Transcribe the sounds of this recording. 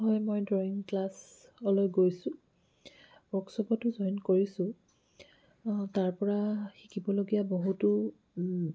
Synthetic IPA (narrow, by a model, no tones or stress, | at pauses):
ɦɔjmojdɹɔiŋklas | ɔlɔjɡojsʊ̃ | bɔksɔbɔtʊzɔjnkoɹisʊ̃ | taɹpɔɹaxikibɔloɡijaboɦutʊ